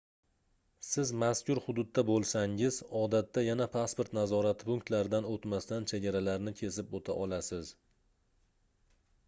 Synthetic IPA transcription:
sɪzmaskʲʊɾhʊd̪ʊd̪ːabolˠsaŋɪzɒd̪at̪ːajanapʰaspoɾt̪nazɒɾat̪ʰɪ̥pʊŋk̚t̪laɾɪd̪anot̪mast̪ant͡ʃʰeɡʲaɾalaɾnɪkʲʰe̞sɪpot̪ʰaʔɒlasɪz

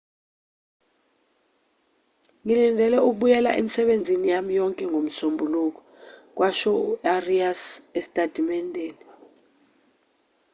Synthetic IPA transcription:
ŋilindʱɛlɛuk̬ɓujɛla̰ʔḛmisɛɓend͡zʱinijamijɔŋkʼɛŋɡʱom̩sombʱuluk̬ɔ̥ | k̬waʃɔuariasesi̥tʼad̥ʱimɛndʱeːni

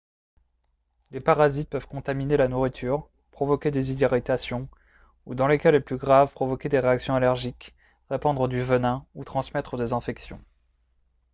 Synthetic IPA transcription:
lepaʁazit̪̚pœvkɔ̃t̪aminelanuʁit̪ʰyːʁ | pχɔvɔkʲed̪ezid̪iʁit̪asjɔ̃ | ud̪ɑ̃lekʲaleplyɡʁavpχɔvɔkʲed̪eʁeaksjɔ̃alɛʁʒik | ʁepɑ̃d̪ʁəd̪yvənɛ̃ut̪χɑ̃smɛt̪χəd̪ezɛ̃fɛksjɔ̰̃

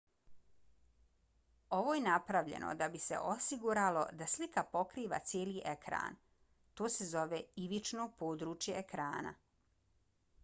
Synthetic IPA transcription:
o̞ʋo̞jenapɾaʋʎḛnʔo̰d̪abisḛʔo̞siɡuɾalo̞̰d̪aslikapo̞kɾiːʋa̰t̪sʲjeːliːʔekɾa̰ːn | t̪oːse̞zo̞ʋeiʋit͡ʃnoːpoːd̪ɾuːt͡ʃjeekɾaːna̰

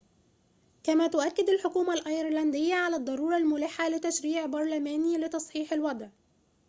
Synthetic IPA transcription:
kæmæːt̪ʊʔækːɪd̪alħʊkuːmalʔɑjɪɾˤlænd̪ɪjːaʕalæd̪ˤːɑɾˤuːɾˤɑlmʊlɪħːalɪt̪æʃɾiːʕbɑɾˤlæmæːnilɪt̪ɑsˤħiːħɪlwɑd̪ˤʕ

